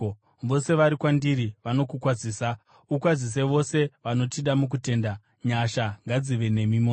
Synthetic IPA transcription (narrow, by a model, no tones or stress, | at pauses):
ʋo̞se̞ʋaɾikwandiɾiʋano̞kukwad͡ziːsa | ukwad͡zis̬eʋo̞se̞ʋano̞tiɗamuk̬ute̞ːnda | ɲaʃaŋɡad͡ziʋe̞ne̞mimo